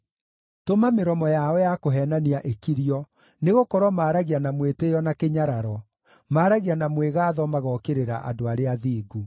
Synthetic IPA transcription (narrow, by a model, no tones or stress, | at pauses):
tomameɾɔmɔjaɔjakoɦɛːnaniaʔekiɾiɔ | neɣokɔɾwɔmaːɾaɣianamwetejɔnakeɲaɾaɾɔ | maːɾaɣianamweɣaːðɔmaɣɔkeɾeɾa̰ʔa̰doaɾeaðiːɡu